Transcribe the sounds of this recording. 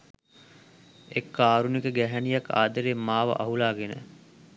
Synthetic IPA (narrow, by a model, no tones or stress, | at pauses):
ekːaːɾunikəɡæɦænijɐka̰ːd̪əɾemːaːʋə̰ʔɐ̰ɦulaːɡenə̰